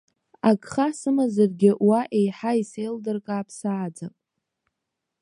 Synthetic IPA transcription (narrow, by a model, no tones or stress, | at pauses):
aɡʼχasɨmazarɡʲɪʔwaʔe̞jħaisejldɨrkʼaːpʰsaːd͡zapʼ